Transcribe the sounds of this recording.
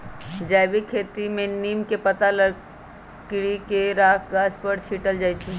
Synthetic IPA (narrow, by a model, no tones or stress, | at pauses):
d͡ʒajbikʰet̪imẽnimkepət̪aləɽ | kɽikeɾakʰɡaspəɽt͡ʃʰiʈəld͡ʒaːjt͡ʃʰi